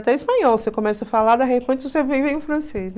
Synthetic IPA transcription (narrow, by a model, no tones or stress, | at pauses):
t̪ɛ̃ispɐ̃ɲɔwsekõmɛsɐfalad̪ɐɦepɐ̃t͡ʃ̪osevivẽj̃ũfɾɐ̃sesn